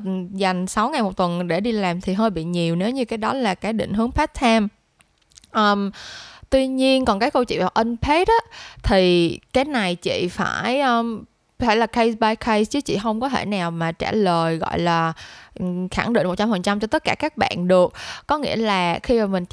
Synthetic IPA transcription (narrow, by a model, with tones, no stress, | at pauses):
za˨˩jŋ̟sa˨˦wŋa˨˩jmo˨˩t̚t̪wə˨˩nɗe˧˩ɗi˧laː˨˩mt̪ʰi˨˩ɦəː˧jɓḭ˧˨ɲi˨˩əwne˨˦wɲɨ˧kaː˨˦jɗɔ˨˦laː˨˩kaː˨˦jɗḭ̈˧˨ŋ̟ɦɨ˨˦əŋpʰa˦˥t̚t̪ʰaː˧m | ʔəː˧mt̪wi˧ɲi˧ənkɔ˨˩nkaː˨˦jkə˧wt͡ɕḭ˧˨vaː˨˩wʔə˧npʰe˦˥t̚ːt̪ʰi˨˩kaː˨˦jna˨˩jt͡ɕḭ˧˨fa̰ː˧˩jʔəː˧m | fʰaː˧˩jlaː˨˩kʰə˧sɓaː˧jkʰə˧jst͡ɕɨ˨˦t͡ɕḭ˧˨ɦə˧wŋ͡mkɔ˨˦t̪ʰḛ˧˩naː˨˩wmaː˨˩t͡ɕa̰ː˧˩ləː˨˩jɣɔ̰˧˨jlaː˨˩˨ | xa̰˧˩ŋɗḭ˧˨ŋ̟mo˨˩t̚t͡ɕa˧mhə˨˩n̚t͡ɕa˧mt͡ɕɔ˧t̪ə˦˥t̚kaː˧˩kaː˦˥k̚ɓa̰ː˧˨nɗɨ˨˩ək̚kɔ˨˦ŋḭ˧˥əlaː˨˩xi˧maː˨˩mï˨˩ŋ̟